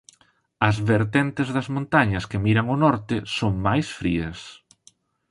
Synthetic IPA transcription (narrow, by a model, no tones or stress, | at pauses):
ɐzβeɾt̪ent̪ezðɐzmõnt̪aɲɐskemiɾɐŋʊnɔɾt̪ɪsoŋmajsfɾiɐs